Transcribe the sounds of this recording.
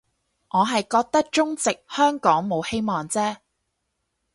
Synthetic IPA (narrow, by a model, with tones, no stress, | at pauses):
ŋɔː˨˧ɦɐ˨jkɔː˧k̚t̪ɐ˥k̚t͡ʃʊ˥ŋt͡sɪ˨k̚hœː˥ŋkɔː˨˥ŋmo˨˧whe˥jmɔː˨ŋt͡sɛː˥